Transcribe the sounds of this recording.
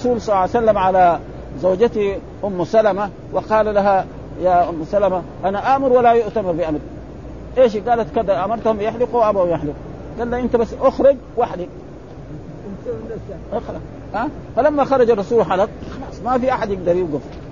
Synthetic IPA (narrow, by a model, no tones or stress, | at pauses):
suːlsˤɑlːsalːamʕala | zawd͡ʒat̪i | ʔʊmːsalama | wɪqɑːlalaɦa | jaʔʊmːsalamaʔanaʔaʔmʊɾwalːajʊʔt̪amɪɾbiʔamɾ | ʔeːʃ̬iɡaːlat̪kad̪aʔamɑɾˤt̪ahumjɪħlɪqwʔabawjɪħlɪq | ɡaːlːaʔint̪abasːʔʊxɾɪɡ | waħd̪i | ʔxɑlɑ | ʔa | falamːaxɑɾˤɑd͡ʒɑrˤːɑsuːlħalɑq̚xɑlɑsˤmafiʔaħad̪jɪɡd̪ɑɾˤjɪɡuf